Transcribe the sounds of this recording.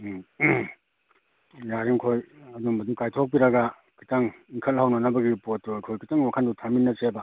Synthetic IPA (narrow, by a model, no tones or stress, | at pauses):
jaɾiŋkʰojɐduŋɐdukajtʰok̚piɾɐɡa | kʰi̥taŋiŋkʰɐlhawnɐnɐbɐɡipotːuajkʰojkʰitaŋwakʰandutʰaminːɐsebɐ